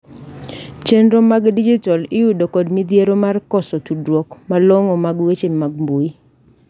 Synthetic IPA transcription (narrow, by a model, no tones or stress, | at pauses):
t͡ʃendɾomaɡdid͡ʒitɔlɪjudokɔdmid̪jeɾomarkɔsɔtudwɔkmaloŋɔmaɡwet͡ʃemaɡmboi